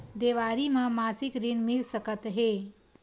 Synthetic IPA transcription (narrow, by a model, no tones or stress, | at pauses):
d̪eːʋaɾimãmaːsikɾinmilsəkət̪ɦe